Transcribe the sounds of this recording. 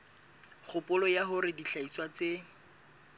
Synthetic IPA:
χʰʊpʊlɔjaɦʊɾɪdiɬaiswat͡se

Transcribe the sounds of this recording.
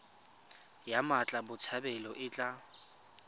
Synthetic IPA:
jamat͡ɬʼabʊt͡sʰabɛlɔʔɪt͡ɬʼa

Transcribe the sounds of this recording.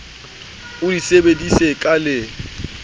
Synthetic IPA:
ʊdisebedisekʼalɪ

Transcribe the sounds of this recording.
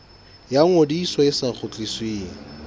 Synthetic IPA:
jaŋ̩odiːswɔɪsaŋχʰʊt͡ɬʼisweŋ̩

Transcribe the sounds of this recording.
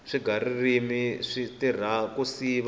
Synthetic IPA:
ʂiɡʱaɾirimiʂitir̤akusiβa

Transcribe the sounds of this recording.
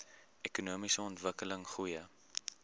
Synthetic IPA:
ɛkunuəmisəɔntvəkələŋχujə

